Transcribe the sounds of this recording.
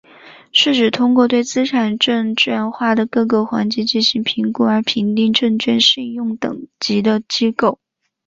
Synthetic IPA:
ʂɻ̩˥˩ʈ͡ʂɻ̩˨˩t̪ʰʊ˥ŋkwɔ˥˧t̪we˥˩ɪt͡sɹ̩˥ʈ͡ʂʰa˨˩nʈ͡ʂɤ˥˧ŋt͡ɕɥɛ˥˧nxwa˥˩d̪ə˩kɤ˥˧kɤ˥˩xwa˧˥nt͡ɕi˧˥t͡ɕi˥˩nɕi˧˥ŋpʰi˧˥ŋku˧˥ə˞˧˥pʰi˧˥nt̪i˥˧ŋʈ͡ʂɤ˥˧ŋt͡ɕɥɛ˥˧nɕi˥˧ŋjʊ˥˩ŋt̪ɤ̰˨˩ŋt͡ɕi˧˥d̪ə˧t͡ɕi˥ko˥˩ʊ

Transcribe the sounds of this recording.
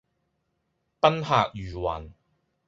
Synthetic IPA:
pɐ˥nhaː˨˧k̚jyː˨˩wɐː˨˩n

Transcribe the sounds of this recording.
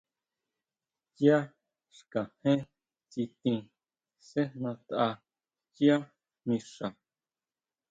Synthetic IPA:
t͡ʃja˦ | ʃkã˨hẽ˦ | t͡si˧t̪ĩ˧ | se˦nã˧t̪ʔa˧ | t͡ʃi˦a˦ | mĩ˧ʂa˨

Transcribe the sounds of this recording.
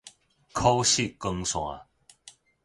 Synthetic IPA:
kʰo˦wɕi˥˨kə˧ŋsw̃ã̰˨˦

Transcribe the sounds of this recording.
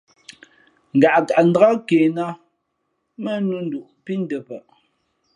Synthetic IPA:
ŋ̩˨ɡa˨ʔka˨ʔn̩˦da˦keː˨na˦ | mə˦nu˦n̩˦du˨ʔpi˦n̩˦də˨pə˨ʔ

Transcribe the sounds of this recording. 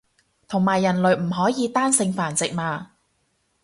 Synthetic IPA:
t̪ʰʊ˨˩ŋmaː˨˩jːɐ˨˩nlɵ˨˩ɥm̩˨˩ɦɔː˨˥jiː˨˧t̪aː˥nsɪ˧ŋfaː˨˩nt͡sɪ˨k̚maː˧

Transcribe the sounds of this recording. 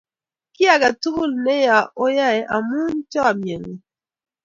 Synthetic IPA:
kɪ˦a˨ka˨tu˦kʊ˦˨lnɛ˦ja˨o˦ja˦˨ɛ˦ʔa˨mu˦ntɔ˦a˨mje˨ŋe˨

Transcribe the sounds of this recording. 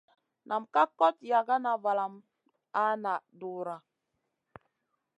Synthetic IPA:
nʔa˨m̩˨ka˦kɔ˦tja˨ɡa˦na˨va˨la˨m˦ | a˦na˨du˨ɾa˨

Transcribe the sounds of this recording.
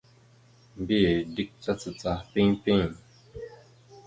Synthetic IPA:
m˦bi˦˨di˦k̚t͡sa˦t͡sɨ˨t͡sa˧pĩ˦pĩ˦˨

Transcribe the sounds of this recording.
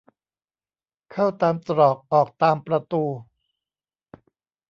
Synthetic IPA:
kʰa˥˩wt̪aː˧mt̪ɾɔː˨˩k̚ʔɔː˨˩k̚t̪aː˧mpɾa˧t̪uː˧

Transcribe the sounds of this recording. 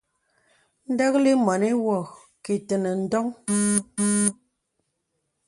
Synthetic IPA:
n̩˦də˦k̚li˦mɔ˨ni˦wɔ˨ | ke˨tə˨nə˨n̩˦dɔ˦ŋ

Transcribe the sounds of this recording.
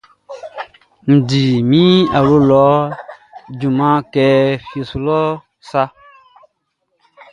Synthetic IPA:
n̩˨di˨mĩ˦a˨lo˦lɔ˨˦ | d͡ʒu˨mã˦kɛ˧fje˨su˨lɔ˦ | sa˦

